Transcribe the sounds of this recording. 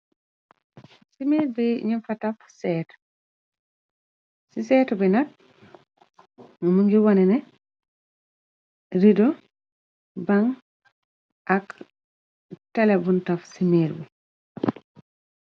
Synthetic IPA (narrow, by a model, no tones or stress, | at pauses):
simeːɾbiɲifatafsɛːt | sisɛːtɔbɛnat̚ | ŋumuŋɡiwɔnɛnɛ | ɾido | baŋ | ʔak | tɛlɛbuntafsimeɾbi